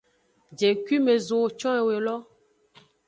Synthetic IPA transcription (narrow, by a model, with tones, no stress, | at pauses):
d͡ʒe˨kwi˦me˨zo˨t͡ʃɔ̃˦ɛ˨we˨lɔ˦